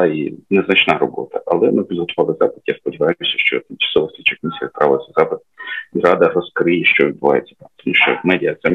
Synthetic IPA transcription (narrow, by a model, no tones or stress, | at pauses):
inɛznɐt͡ʃnɑɾɔbɔ̰t̪ɐʔɐlˠɛnupʲid̪ɦɔt̪ʊʋɑlˠɪzɑpɪd̪jaspɔdʲiʋɑjjʊsʲɐʃt͡ʃɔ̰t̪t͡ʃɐ̥sɔʋɔsʲit͡ʃɐkmʲisʲijɐspɾɑʋɪlˠɐsʲɐzɑpɪd̪̚irɑd̪ɐrɔskɾɪjɛʃt͡ʃɔʋʲid̪bʊʋɑ̰jet͡sʲːɐ̥t̪ɑmt̪ɔmuʃt͡ʃɔ̰mɛdʲɪɐt̪sɛm